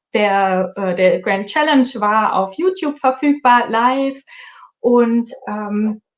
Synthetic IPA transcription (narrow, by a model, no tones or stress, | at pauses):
d̥eːɐɛːd̥eɐɡ̥ʁɛnt̚t͡ʃɛlənd͡ʒvaɐʔa̰ʊfjuːtʰjuːb̥fɛɐfyːɡ̥̚b̥aːɐlaɪfʔʊntʔɛm